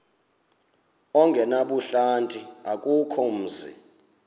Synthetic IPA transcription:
ɔŋɡʱɛnaɓuɬantʼiakʼukʰɔm̩ːzḭ

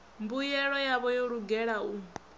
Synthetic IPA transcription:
mbujɛɺɔjaβɔjɔɺuɡɛɺau

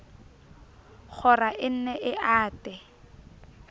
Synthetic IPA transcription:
χʰɔraʔɪn̩nɛʔɪaːtʼɛ

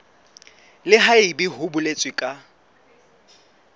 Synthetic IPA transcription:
lɪɦaɪbiɦʊbʊlet͡sʼwɪkʼa

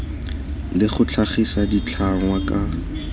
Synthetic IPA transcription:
lɪχʊt͡ɬʰaχisadit͡ɬʰaŋwakʼa

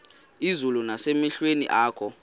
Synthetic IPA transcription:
izulunasemiɬwenḭʔaːkʰɔ

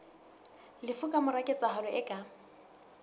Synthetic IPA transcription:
lɪfʊkʼamʊrakʼet͡sʼaɦɔlʊʔɛkʼa

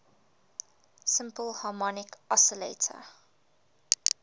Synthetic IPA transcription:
sɪ̃mpəlˠhɑːmɔnɪkasəlḛɪtʰə̰

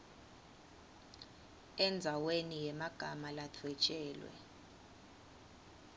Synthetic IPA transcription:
ɛnd͡zʱawenijɛmaɡ̥ʱamalatʰwɛt͡ʃʼɛːlwɛ̰

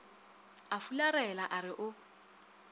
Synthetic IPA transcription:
afularɛlaʔaɾɪʔʊ

